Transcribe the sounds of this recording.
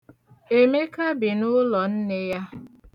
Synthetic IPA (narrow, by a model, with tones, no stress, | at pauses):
e˦me˦ka˦bi˨nʊ˦lɔ˨n̩˦ne˦ja˦